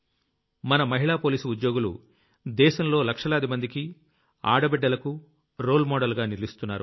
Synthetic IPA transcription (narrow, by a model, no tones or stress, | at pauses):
mɐnɐmɐɦiɭaːpoːliːsuud̪jo̞ːɡulṵ | d̪ɛːʃɐmlo̞ːlɐkʂɐlaːd̪imɐnd̪iki | a̰ːɽɐbɛɖːɐlɐku | ɾoːlmɔːɽɐlɡaːniɾlist̪unːaːɾu